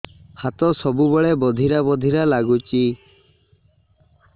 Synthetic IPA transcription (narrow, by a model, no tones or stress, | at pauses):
hat̪ɔsɔbubɔɭebɔd̪ʱiɾabɔd̪ʱiɾalaɡut͡ʃi